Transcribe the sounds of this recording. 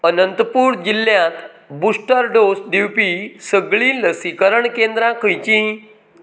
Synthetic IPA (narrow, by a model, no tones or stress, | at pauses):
ənənt̪puːɾd͡ʑilːjãt̪ | busʈəɾɖosd̪iwpisəɡɭiləsikəɾəɳkend̪ɾãkʰəjt͡ɕĩ